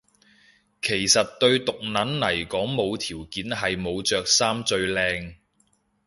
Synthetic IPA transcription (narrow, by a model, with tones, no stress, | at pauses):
kʰe˨˩jsɐ˨t̚t̪ɵ˧ɥt̪ʊ˨k̚nɐ˨˥nnɐ˨˩jkɔː˨˥ŋmo˨˧wt̪ʰiː˨˩wkiː˨˥nɦɐ˨jmo˨˧wt͡ʃœː˨k̚saː˥mt͡sɵ˧ɥlɛː˧ŋ